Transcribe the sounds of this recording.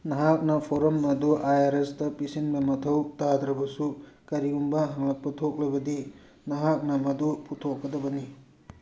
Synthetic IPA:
nɐɦak̚nɐpʰoɾɐmɐduʔajaɾestɐpisinbɐmɐtʰɐwtad̪ɾɐbɐsukɐɾiumbɐɦaŋlɐk̚pɐtʰok̚lɐbɐdi | nɐɦak̚nɐmɐdupʰutʰokːɐdɐbɐni

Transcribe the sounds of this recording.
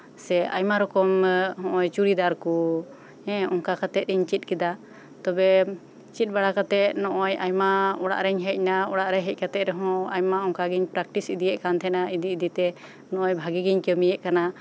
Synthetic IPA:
sɛʔa̰jmaɾɔkɔmɦɔ̃ʔɔjt͡ʃuɾid̪aɾku | ɛ̃ɔŋkakat̪ɛt̪̚ɾiɲt͡ʃit̪̚kid̪a | t̪ɔbɛ | t͡ʃit̪̚baɽakat̪ɛt̚nɔʔɔjajmaɔɽa̰ʔɾɛɲɦɛc̚naɔɽaʔɾɛjɦɛc̚kat̪ɛʔ̪ɾɛɦɔ̃ajmaɔŋkaɡiɲpɾak̚ʈisid̪ijɛʔkant̪ʰɛnaid̪iːd̪it̪ɛ | nɔʔɔjbʱaɡiɡiɲkəmijɛʔkana

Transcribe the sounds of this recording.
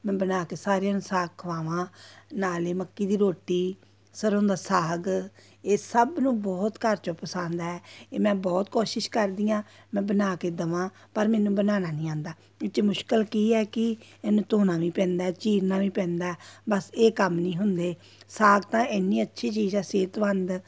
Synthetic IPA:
mɛ̃ːbənaːkeːsaːɾeãːnusaːɡ̚kʰəʋaːʋãːnaːleːməkːiːd̪iːɾoːʈːiː | səɾõːnd̪aːsaːɡ | eːsəbnũːbɔːt̪kəɾt͡ʃõːpəsãːnd̪aːɛːeːmɛ̃ːbɔːt̪koːʃɪʃkəɾd̪iːãː | mɛ̃ːbənaːkeːd̪əʋãː | pəɾmɛ̃ːnũːbənaːnaːnĩːãːnd̪aː | ɪt͡ʃeːmʊʃkəlkiːɛːkɪɛːnũːt̪oːnãːʋĩːpɛ̃ːnd̪aːɛːt͡ʃiːɾnaːʋĩːpɛ̃ːnd̪aːɛːbəseːkəmnĩːɦʊnd̪eː | saːɡ̚t̪ãːɪnːiːətːʃʰiːt͡ʃiːd͡ʒãːseːt̪ʋənd̪

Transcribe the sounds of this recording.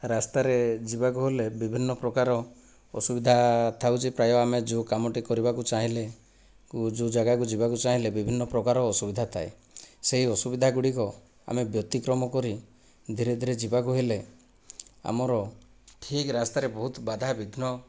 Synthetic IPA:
ɾast̪aɾed͡ʒibak̬uɦelebibʱinːɔpɾɔkaɾɔ | ɔ̰subid̪ʱat̪ʰawt͡ʃʰipɾajɔamed͡ʒukamɔʈikɔɾibakut͡ʃaɦĩle | kud͡ʒud͡ʒaɡakud͡ʒibakut͡ʃaɦilebibʱinːɔpɾɔkaɾɔːsubid̪ʱat̪ʰae | seɦiɔsubid̪ʱaɡuɽikɔ | a̰mebjɔt̪ikɾɔmɔkɔɾi | d̪ʱiɾed̪ʱiɾed͡ʒibak̬uɦele | a̰mɔɾɔ | ʈʰikɾast̪aɾebɔɦut̪bad̪ʱabid̪ʱnɔ

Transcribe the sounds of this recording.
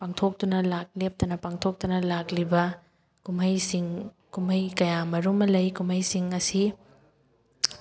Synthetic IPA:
paŋtʰok̚tunɐlak̚lep̚tɐnɐpaŋtʰok̚tunɐlaklibɐ | kumɐjsiŋ | kumɐjkɐjamɐɾumɐlɐjkumɐjsiŋɐsi

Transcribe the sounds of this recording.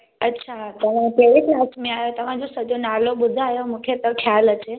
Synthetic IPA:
ətːɕʰat̪ɐʋ̤ãkeisnastmẽajot̪ɐʋ̤ãd͡ʑosəd͡ʒonaloɓʊd̪ʱajomũkʰet̪əkʰjalət͡ɕe

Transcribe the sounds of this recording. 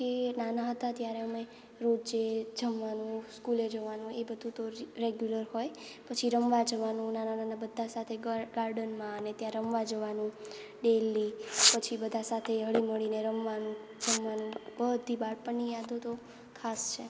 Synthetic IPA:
kenanaɦət̪at̪jaɾeəme | ɾod͡ʒd͡ʒed͡ʒəmʋanũskuled͡ʒəʋanũebəd̪ʱũt̪oɾeɡjuləɾɦoj | pət͡ʃʰiɾəmʋad͡ʒəʋanũnanananabəd̪ʱːasat̪ʰeɡaɾɖənmãənet̪jãɾəmʋad͡ʒəʋanũ | ɖelipət͡ʃʰibəd̪ʱasat̪ʰeɦəɭiməɭineɾəmʋanũ | d͡ʒəmʋanũbəd̪ʱibaɽpəɳnijad̪ot̪o | kʰast͡ʃʰe

